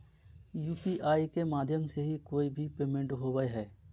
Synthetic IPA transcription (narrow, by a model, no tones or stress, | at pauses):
juːpiʔaːikemaːd̪ʱjəmseɦikoːibʱipeːmẽɳʈɦoːwəeɦɛː